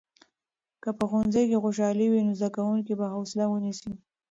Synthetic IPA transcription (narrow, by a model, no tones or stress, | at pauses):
kəpəxonzajkexoʃ̬ɑliwinozd̪akawuŋkibahawsɪlawənisi